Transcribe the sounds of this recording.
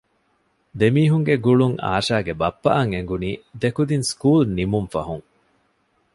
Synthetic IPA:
d̪emiːɦuŋɡeɡuɭuŋa̰ːʃaːɡebɐpːɐ̰ʔɐŋeŋɡuniːd̪ekud̪inskuːlnimumfɐ̰ɦuŋ

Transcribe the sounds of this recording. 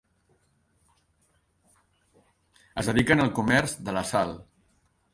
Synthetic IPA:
əzðəðikənəlˠkumɛrzðələsalˠ

